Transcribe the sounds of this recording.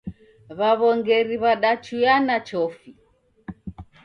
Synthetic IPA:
βaβɔŋɡɛɾiβaɗat͡ʃujanat͡ʃɔfi

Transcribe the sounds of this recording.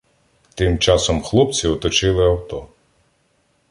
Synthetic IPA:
t̪ɪmt͡ʃɑsɔmxlˠup̚t͡sʲiɔt̪ɔt͡ʃɪlˠɪɐwt̪ɔ

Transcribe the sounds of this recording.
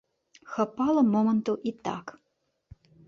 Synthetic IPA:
xɐpalɐmomənt̪uʔit̪a̰k

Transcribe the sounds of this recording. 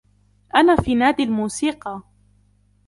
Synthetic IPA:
ʔanaːfiːnaːd̪ɪlmuːsiːqɑ

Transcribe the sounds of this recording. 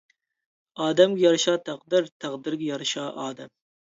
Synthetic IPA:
ɑːd̪ɛmɡʲɛjɑɾɨʃɑːt̪ʰæqd̪ɨɾt̪ʰæqd̪ɨɾɡʲɛjɑɾɨʃɑːʔɑːd̪ɛm

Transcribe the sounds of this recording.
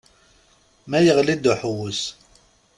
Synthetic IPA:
mæjəʁlid̪uħuwus

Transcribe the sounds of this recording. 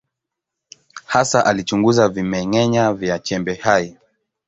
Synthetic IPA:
hasaʔalit͡ʃuŋɡuzavimɛŋɛɲavjat͡ʃɛmbɛhai

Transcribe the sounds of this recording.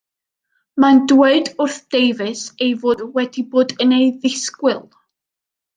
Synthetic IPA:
mandweɨdʊrθd̥ejvɪsejvoːdwɛdiboːdənejðɪskwɪlˠ

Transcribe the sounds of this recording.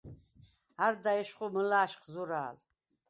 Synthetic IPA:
aɾd̪aɛʃqʼuməlaːʃqʰzuɾa̰ːl

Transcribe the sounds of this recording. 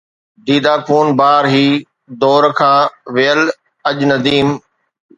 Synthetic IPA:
d̪iːd̪aːkʰuːnbaːɾɦiː | d̪ɔːɾkʰãːʋeəl | ɐʄnɐd̪iːm

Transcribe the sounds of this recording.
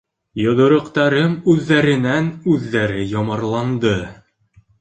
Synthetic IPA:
jŏðŏɾŏqt̪ɑɾɤmʉðːæɾɘ̆nænʉðːæɾɘjɒmɑɾlˠɑnd̪ɤ

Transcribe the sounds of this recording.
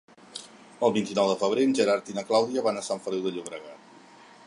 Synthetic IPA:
əlˠβint̪inɔwðəfəβ̞ɾeʒəɾaɾt̪inəklawðiəβanəsaɱfəliwðəʎuβɾəɣ̞at̪̚

